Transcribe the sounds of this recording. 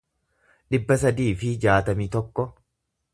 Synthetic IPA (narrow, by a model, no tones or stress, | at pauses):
ᶑɪbːɐsɐd̪iːfɪd͡ʒaːt̪ɐmiːt̪ɔkːɔ